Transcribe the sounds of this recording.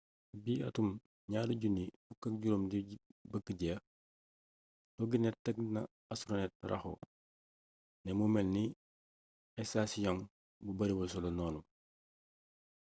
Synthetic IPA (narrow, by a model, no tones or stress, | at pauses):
biːɐ̰tum | ɲaːluɟunifukːɐk̚ɟuɾomdibəkːəɟɛ | tɔɡinɛttːɐk̚nɐ | ɐsɾɔnɛt̚rɐ̰xo̰ | nɛmumɛlni | ɛsasijɔŋ | bubɐɾibɐsɔlɔnɔːnu